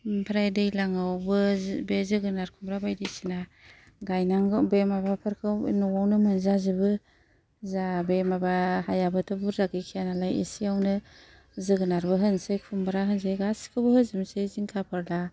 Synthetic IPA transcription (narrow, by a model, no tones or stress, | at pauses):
pʰɾajdɯjlaŋawbɯbezɯɡɯnaɾkʰumbɾabajdisina | ɡajnaŋbemabapʰɯɾkʰɯnɔwawnɯmɯnzazɯbɯ | zabemabahajabɯtʰɯbɯɾzaɡikʰijanalajḛsijawnɯ | zɯɡɯnaɾbɯɦɯnsɯjkʰumbɾaɦɯns̬ɯjɡasi̥kʰɯbɯhɯzɯmseziŋkʰapʰɯɾla